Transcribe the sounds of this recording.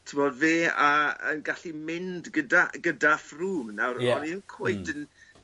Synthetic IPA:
tʰɪmɔdveːaə̰nɡaɬimɪndɡədaɡədafruːmnawɾɔniənkʰoɨdən

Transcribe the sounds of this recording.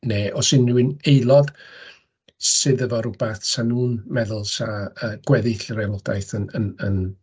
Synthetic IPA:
neʔɔsɨnːuɪnejlˠɔð | sɨðəvɔɾʊb̥aθsanuːnmɛðʊlˠsaəːɡ̥wɛðɪɬɾɛlˠɔda̰jθənənən

